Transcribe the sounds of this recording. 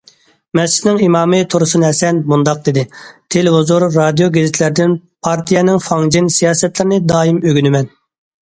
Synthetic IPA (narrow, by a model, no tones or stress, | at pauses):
mɛsɪ̥nɪŋimɑːmɨt̪ʰoɾʊsɨnɨɦɛsɛnmund̪ɑq̚d̪ed̪ɪt̪ʰelɪɦuzuɾːɑd̪ijoɡʲezɪt̪ʰlɪɾd̪ɪnpʰɑɾt̪ʰijɛnɪŋfɑŋd͡ʒinsijɑːsɛt̪lɪɾɪnɪd̪ɑːimøɡʲynɪmɛn